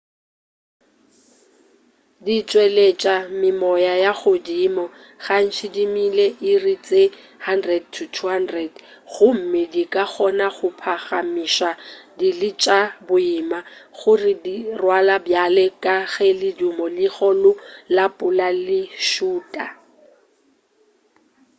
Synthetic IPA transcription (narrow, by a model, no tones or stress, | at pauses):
dit͡ʃʼwelet͡ʃʼamɪmɔjajaɣʊdimɔ | ɣan̩t͡ʃʰɪdimileʔɪrit͡sʼe | handrɛd̚tʰʊtʰuhandrɛd | ɣʊm̩mɪdikʼaχɔnaχʊpʰaχamiʃadilɪt͡ʃʼabʊimaɣʊrɪdirwalabjalɛkʼaɣɛlɪdumɔlɪɣɔlʊlapʼʊlalɪʃuːtʼa